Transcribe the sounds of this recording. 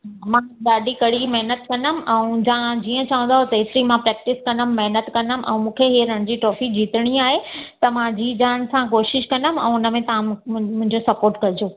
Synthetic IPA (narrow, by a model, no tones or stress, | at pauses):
mãɗaːɗikɐɽimɐɦnət̪kɐnəm̆ɛ̃d͡ʑãd͡ʑiːə̃t͡ɕɐʋə̃n̆d̪aːɦot̪ɐeːt̪ɾimãpɾɛːk̚ʈɪskɐ̃nəmːɐɦnət̪kɐnəm̆ʔɛ̰̃ːmũːkʰeɦiːɾɐɽ̃d͡ʑiʈɔːfid͡ʑiːt̪əɽ̃iaːɦet̪ɐmãd͡ʑiːd͡ʑaːn̆sãkoːʃɪʃkɐ̃nəmɛ̰̃ːʊnə̆mẽt̪ɐʋãmʊ̃ɦɪ̃ɲd͡ʑosɐpoːɾʈkɐd͡ʑoː